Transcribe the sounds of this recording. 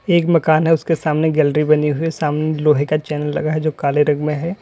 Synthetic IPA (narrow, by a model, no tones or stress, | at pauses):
eːkmɐkaːnɦɛʊskesaːmneɡɛːlɾibɐniɦʊisaːmneloːɦekat͡ʃɛːnəlːɐ̰ɡaɦɛd͡ʒoːkaːleɾɐ̃ɡmẽɦɛː